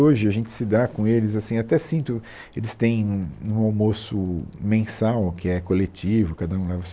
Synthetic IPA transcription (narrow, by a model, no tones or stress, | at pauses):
oʒɪaʒẽnt͡ʃ̪ɪ̥sɪd̪akõelɪzasĩat̪ɛsĩnt̪ʊ | elɪst̪ẽj̃ũũawmosʊmẽsawkɪɛkolet͡ʃivʊkad̪ɐũlɛvɐs